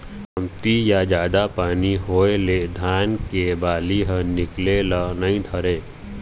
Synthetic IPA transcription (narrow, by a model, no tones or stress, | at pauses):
əmt̪ijad͡ʒaːd̪apaːniɦoːeled̪ʱaːnkebaːliɦə̃nɪklelənɐĩd̪ʱəɾeː